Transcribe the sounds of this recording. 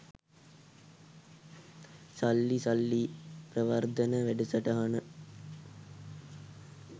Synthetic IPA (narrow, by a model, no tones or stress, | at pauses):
salːisalːiprəʋɐrd̪ənəʋæɖəsɐʈɐɦanə